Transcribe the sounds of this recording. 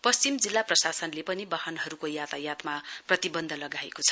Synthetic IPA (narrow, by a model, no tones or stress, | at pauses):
pʌst͡simd͡zilːaprʌsasʌnlepʌnibahʌnɦʌɾukojat̪ajat̪maprʌt̪ibʌnd̪ʱʌlʌɡaḛkot͡sʰʌ̥